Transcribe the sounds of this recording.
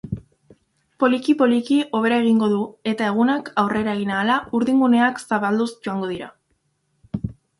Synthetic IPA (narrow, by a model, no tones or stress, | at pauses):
po̞likipo̞likiʔo̞β̞e̞ɾae̞ɣ̞iŋɡo̞ðue̞t̪ae̞ɣ̞unakawre̞ɾae̞ɣ̞inaːlauɾðiŋɡune̞aksaβald̪usʝo̞aŋɡo̞ð̞iɾa̰